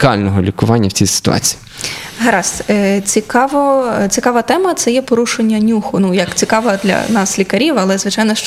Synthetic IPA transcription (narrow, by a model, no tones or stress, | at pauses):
kɑlʲnɔɦɔlʲikʊʋɑnʲːɐwt͡sʲisɪ̥t̪ʊ̰ɑ̰t͡sʲi̥i | ɦɐɾɑst͡sʲikɑʋɔt͡sʲikɑʋɐt̪ɛmɐt̪sɛjɛpɔɾuʃenʲːɐnʲuxʊnujɐkt͡sʲikɑʋɐd̪lʲɐ̰nɑslʲikɐɾʲiwɐlˠɛzʋɪt͡ʃɑjnɔʃt͡ʃ